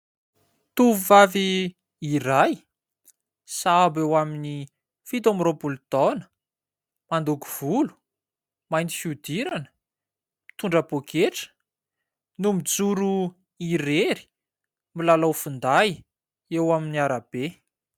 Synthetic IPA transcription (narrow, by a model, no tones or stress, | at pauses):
t̪uvuvavi | iraj | sabewamini | fit̪amropult̪ɔnə̥ | mand̪uku̥v̥ulu̥ | majnt̪i̥fiud̪iɾanə̥ | mi̥t̪uɳɖ͡ʐapokʰeʈ͡ʂə̥ | numid͡zuɾu | iɾeɾi̥ | milalawfund̪aj | ewaminiaɾab̥e